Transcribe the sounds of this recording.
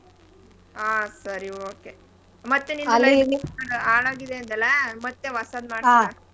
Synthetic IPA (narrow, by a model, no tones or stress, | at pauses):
aːsɐɾioːke | mɐt̪ːeninɐlɐːiliaɽaːɭaːɡid̪eɐnd̪ɐlemɐt̪ːeʋɐsaːd̪maːɽaa